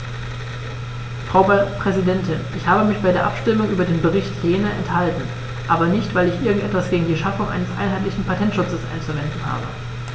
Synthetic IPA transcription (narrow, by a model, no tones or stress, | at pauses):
fʁ̥aʊpʁ̥ɛzidɛntɪnʔɪçhaːbəmɪçb̥aɪdeːɐʔa̰pʃtɪmʊŋʔyːbɐdeːnbəʁɪçtʰjeːnəʔɛ̰nthaltn̩ | ʔaːbɐnɪçtv̥aɪlɪçʔɪɐɡŋ̩tʔɛtv̥asɡ̥eːɡŋ̩diːʃafʊŋʔa̰ɪnəsʔa̰ɪnɦaɪtlɪçn̩pʰatʰɛntʃʊt͡səsʔa̰ɪnt͡suvɛndn̩ɦa̰ːbə̰